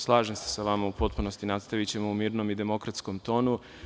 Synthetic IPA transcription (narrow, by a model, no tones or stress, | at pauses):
slˠaːʒense̥saʋamaupo̞t̪̚punost̪inat̪st̪aʋit͡ɕe̞moumiːɾno̞mid̪e̞mo̞kɾat̪sko̞mt̪o̞ːnu